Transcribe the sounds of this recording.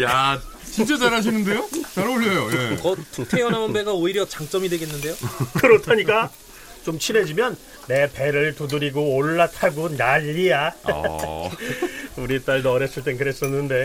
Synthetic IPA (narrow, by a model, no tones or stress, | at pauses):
ja | t͡ɕint͡ɕ͈et͡ɕaɾaɕ̬ʰinɯnde̞jot͡ɕaɾoʎːʌjojekʌtʰejʌnaonbe̞ɡaoiɾjʌt͡ɕaŋt͡ɕ͈ʌmidwe̞ɡe̞nːɯnde̞jokɯɾʌtʰaɲik͈a | t͡ɕomt͡ɕʰine̞d͡ʑimjʌnː | e̞pe̞ɾɯɭtudɯɾiɡooɭːatʰaɡonaʎːija | uɾit͈aɭdʌɾes͈ɯɭt̬͈e̞nk̬ɯɾe̞s͈ʌnːɯnde̞